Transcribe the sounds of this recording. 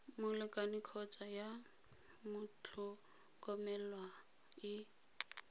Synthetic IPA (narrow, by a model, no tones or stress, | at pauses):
mʊlɪkʼanɪkʰɔt͡sʼaja | mʊt͡ɬʰʊ | kʼɔmɛlwa | ɪ